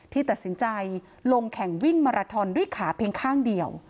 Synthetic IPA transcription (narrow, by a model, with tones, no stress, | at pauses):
t̪ʰiː˥˩t̪a˨˩t̪̚si˩˦nt͡ɕa˧j | lo˧ŋkʰɛ˨˩ŋwi˥˩ŋmaː˧ɾaː˧t̪ʰɔː˧ndu˥˩˨jkʰaː˩˦pʰeː˧ŋkʰaː˥˩ŋdi˧əw